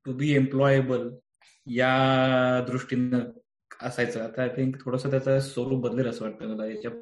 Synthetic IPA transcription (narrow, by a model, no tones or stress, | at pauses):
ʈubiːemplɔjebəl | ja | d̪ɾuʂʈinə | əsajt͡səːat̪aajt̪ʰiŋkt̪ʰoɽasət̪jat͡sasəɾuːbəd̪leɾəsəːʋaʈ̚t̪əɡələjat͡ɕja